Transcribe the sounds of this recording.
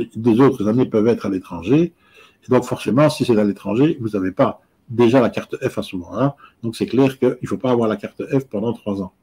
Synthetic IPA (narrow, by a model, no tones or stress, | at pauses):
d̪ezot̪χəzanepœvɛt̪χalet̪χɑ̃ʒeː | d̪ɔ̃kfɔʁsemɑ̃sisɛt̪alet̪χɑ̃ʒevuzavepa | d̪eʒalakaʁt̪əɛfasuvɑ̃ɛ̃d̪̥ɔ̃ksɛklɛːʁkəilfopaːvwaːʁlakaʁt̪əɛfpɑ̃d̪ɑ̃t̪χwazɑ̃